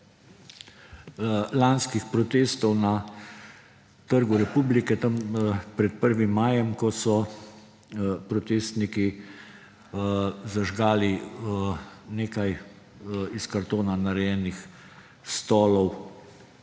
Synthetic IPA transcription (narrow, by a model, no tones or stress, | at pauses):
lanskixpɾɔt̪eːst̪ɔwna | t̪əɾɡuɾɛpuːblikɛt̪əmpɾɛt̪̚pəɾʋimːaːjɛmkɔsɔ | pɾɔt̪eːst̪niki | zaʒɡaːli | neːkaj | iskaɾt̪oːnanaɾɛjɛːnix | st̪ɔːlɔw